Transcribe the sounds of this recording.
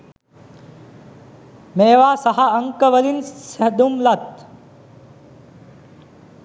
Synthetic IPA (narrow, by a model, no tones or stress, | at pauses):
meːʋaːsɐɦaəŋkəʋəlinsed̪umlɐt̪̚